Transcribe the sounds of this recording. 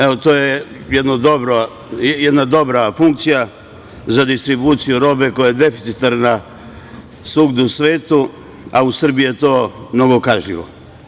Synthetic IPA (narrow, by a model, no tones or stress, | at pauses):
eot̪oːjejed̪nod̪o̞bɾo | jed̪nad̪o̞bɾafuŋk̚t̪sija | zad̪ist̪ɾibuːt̪sijuɾo̞ːbe̞ko̞jajed̪e̞fi̥t̪sit̪aɾna | suɡd̪uusʋeːt̪u | ausr̩bijjet̪o̞ːmno̞ɡo̞kaʒʎiʋo̰